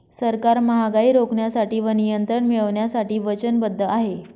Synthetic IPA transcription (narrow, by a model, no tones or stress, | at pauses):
səɾkaɾməɦaɡaiːɾokɳjasaʈiːʋənijənt̪ɾəɳmiɭəʋɳjasaʈiːʋət͡ɕənbəd̪ʱːəaɦe